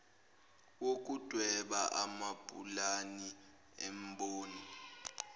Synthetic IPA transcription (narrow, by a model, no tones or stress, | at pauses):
wok̬ʼud̥ʱwɛɓaʔamapʼulani | ɛmɓoːni